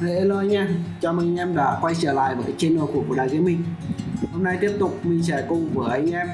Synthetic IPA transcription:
tə˨˩ʔe˧lo˧a˧ŋ̟ʔaː˧˩t͡ɕɔ˧˩mi˨˧˨ŋ̟ʔɛ˧mɗa̰ː˧˥xwa˧jt͡ɕəː˧˩la̰ː˧˨jɓəː˨˦jt͡ɕe˧nːɔ̰˧˨kwku˧˩ɗaː˨˩ki˨˦mï˧˩ŋ̟ho˧mna˧jt̪i˦˥əp̚t̪ʊ˨˩k͡p̚mi˨˩ŋt͡ɕɛ˧˩kʊ˨˩ŋ͡mvəː˨˦jʔa˧jŋ̟ʔɛ˧m

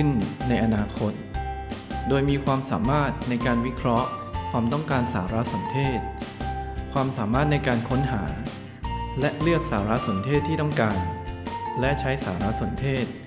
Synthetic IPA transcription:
ɯ˥˩nːa˧jʔa˧naː˧kʰo˦˥t̪̚ | doː˧jmiː˧kʰwaː˧msaː˩˦maː˥˩t̪̚na˧jkaː˧nwi˦˥kʰɾɔ˦˥ʔkʰwaː˧mt̪ɔ˥˩ŋkaː˧nsaː˩˦ɾa˦˥so˨˩˦nt̪ʰeː˥˩t̪̚ | kʰwaː˧msaː˩˦maː˥˩t̪̚na˧jkaː˧nkʰo˦˥nɦaː˩˦ | lɛ˦˥ʔlɯ˥˩ək̪̚saː˩˦ɾa˦˥so˩˦nt̪ʰeː˥˩t̪ʰːiː˥˩t̪ɔ˥˩ŋkaː˧n | lɛ˦˥t͡ɕʰa˦˥jsaː˩˦ɾa˦˥so˩˦nt̪ʰeː˥˩t̪̚

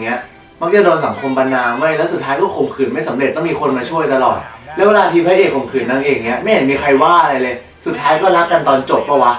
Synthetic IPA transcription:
ŋːi˦˥ɐ | ma˦˥k̚t͡ɕa˨˩doː˧nsa˩˦ŋkʰo˧mpa˧nːaː˧ma˥˩jlɛ˦˥wsu˨˩t̪ʰaː˦˥jkɔː˥˩kʰo˨˩˦mkʰɯː˨˩nma˥˩jsa˩˦mɾe˨˩t̪̚ːɔ˥˩ŋmiː˧kʰo˧nmaː˧t͡ɕʰu˥˩əjt̪a˧lɔ̰ː˨˩t̪̚lɛː˦˥we˧laː˧t̪ʰiː˧pʰaː˧˥˦ʔeː˨˩kʰo˨˩mkʰɯː˨˩nːa˧ŋʔeː˧˩˨ŋːi˦˥ɐʔma˥˩jha˨˦miː˧kʰa˧jwaː˥˩ʔa˧ɾa˧jlɤː˧j | su˨˩t̪̚ʰːaː˦˥jkɔː˥˩ɾa˦˥kːa˧nt̪ɔː˧nt͡ɕo˨˩p̚bɔ˥˩wa˦˥

